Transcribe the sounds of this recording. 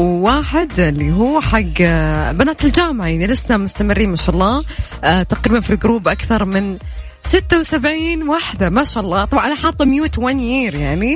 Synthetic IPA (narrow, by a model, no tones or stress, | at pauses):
wwaːħɪd̪ɪlːiɦuːħaɡːbanaːt̪ɪld͡ʒaːmʕajaʕnilɪsːamʊst̪amɪrːiːmaʃaʔɑlˤːɑː | t̪aqɾiːbanfilɡʊɾuːbʔakθɑɾˤmɪn | sɪt̪ːawsabʕiːnwaħd̪amaʃaʔɑlˤːɑːt̪ˤɑbʕnʔalaħɑːt̪ˤːɑmjuːt̪wanjiːɾjaʕni